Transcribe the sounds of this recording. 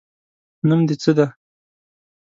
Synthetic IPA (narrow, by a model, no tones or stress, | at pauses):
numd̪et͡səd̪a